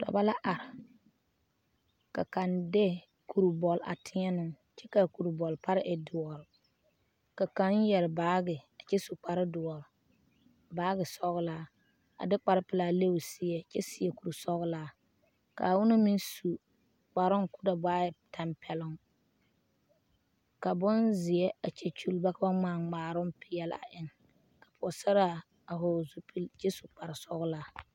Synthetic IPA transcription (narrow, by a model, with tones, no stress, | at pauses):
tɔ̰˨ba˦la˦ʔa˨ɾɪ˨ | ka̰˨ka˨nde˦ | ku˨ɾu˨bɔ˨lʔa̰˨tʰɪ˦ɛ˦nʊ˨ŋ | t͡ʃɛ˦ka˨ku˨ɾu˨bɔ˨lpa˦ɾɪ˦ʔɛ˨dʊ˨ɔ˨ɾɪ˨ | ka˨ka˨˦n˦jɛ˨ɾɪ˨baː˨˦ɡɪ˨a˨t͡ʃɛ˦su˨k͡pa˨ɾɪ˦dʊ˨ɔ˨ɾɪ˨ | baː˨˦ɡɪ˨sɔ˦ɣlaː˦ | a̰˨dɪ˦k͡pa˨ɾɪ˦pɪ˦la˨le˦wʊ˨sɪ˦ɛ˨t͡ʃɛ˦sɪ˦jɛ˨ku˨ɾu˨sɔ˦ɣʊ˦laː˦ | ka̰˨wʊ˦na˦mi˦nsu˨ | k͡pa˨ɾʊ˦ŋkʊ˦da˨baː˦ɛ˨tʰa˨mpʰɛ˨lʊ˦ŋ | ka˨bʊ˦nzɪ˨jɛ˦a˨t͡ʃɛ˨t͡ʃu˦lba˦ka˦ba˦ŋ͡maː˨ŋ͡maː˨ɾʊ˦mpʰɪ˦jɛ˦la̰˨ʔɪ˦ŋ | ka˨pʰʊ˨ɔ˨sa˦ɾa˦ | a˨ɦɔ˨zu˦pʰi˦lt͡ʃɛ˦su˨k͡pa˨ɾɪ˨sɔ˦ɣlaː˦